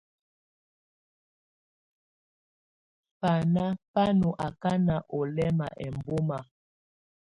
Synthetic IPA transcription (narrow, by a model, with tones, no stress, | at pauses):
pa˨na˦pa˦nu˨ʔa˨ka˦na˨ʔɔ˨lɛ˦ma̰˨ʔɛ˨mbo˦ma˨